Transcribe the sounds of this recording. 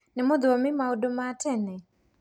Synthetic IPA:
nɪmod̪omɪmaodomatɛnɛ

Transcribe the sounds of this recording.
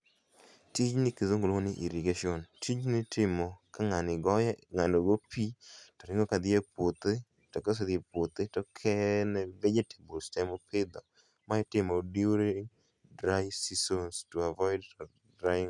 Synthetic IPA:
tit͡ʃnɪkezoŋɡolonɪʔiɾiɡaʃiɔntʰid͡ʒnɪtʰɪmɔkaŋanɪɡɔjaŋandoɡopitɔɾɪŋɡɔkad̪ɪjepwot̪ɪ | tɔkɔs̬ed̪ɪepwot̪ɪtɔkʰɛnɛved͡ʒete̥bulstɛmopʰɪd̪ɔ | maɪtɪmɔdiɾe | dɾasisonstuavɔjɪd | dɾaŋ

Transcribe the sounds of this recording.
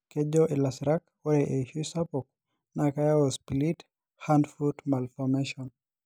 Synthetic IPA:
kɛʄɔʔɛlasɾakwɛʔɛʃusapɔk̚ | nakajaɔspilit | handfutmalfɔmɛʃɔn

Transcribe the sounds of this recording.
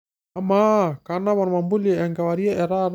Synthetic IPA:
amakanaβanɔmambuliɛɛŋɡawaɾiaʔɛɾaɾ

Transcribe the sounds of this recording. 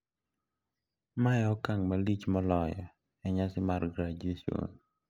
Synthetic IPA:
majɔkaŋmalit͡ʃmɔlɔjɔ̰ | ɛɲasɪmarɡɾad͡ʒesio̰n

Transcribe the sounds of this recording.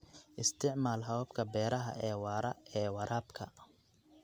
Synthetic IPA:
ʔɪst̪ʰɪʕmaːlɦɐwɐbkʰɐbɛːɾɐɦɐ̰ʔɛːwɑːɾɐɛːwɑɾʔaːbkʰɐ

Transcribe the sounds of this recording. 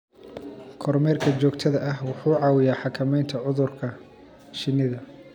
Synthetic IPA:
kʰɔrmɛːrkʰɐt͡ʃɔːkt̪ʰɐðɐʔɐɦwɑħuːʕɑːwɪjaːħɑkʰɐmɛjnt̪ʰɐʕʊðʊrkʰɐ | ʃɪnːɪðɐ

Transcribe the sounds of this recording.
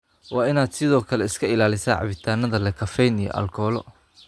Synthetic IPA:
wɑːɪnaːd̪sɪðɔːkʰɐlɛɪskʰɐɪlaːlɪsa̰ːʕɑ̰βɪt̪ʰaːnɐðɐlɛkʰɐfɛjnijɔ̰ʔɐ̰lkʰɔːlɔ̰

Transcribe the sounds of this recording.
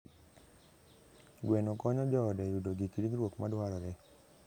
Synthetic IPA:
ɡwɛnokɔɲɔd͡ʒɔdɛjudoɡikiɾiŋɾwokmadwaɾɔɾɛ

